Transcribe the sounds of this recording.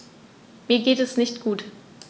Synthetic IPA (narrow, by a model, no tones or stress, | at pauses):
miːɐɡeːtɛsnɪçtɡ̥uːt